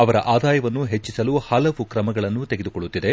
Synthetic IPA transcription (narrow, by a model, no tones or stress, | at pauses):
ɐʋɐɾɐʔaːd̪aːjɐʋɐnːuɦet͡ʃːisɐluhɐlɐʋukɾɐmɐɡɐɭɐnːut̪e̞ɡed̪ukoɭːut̪ːid̪e̞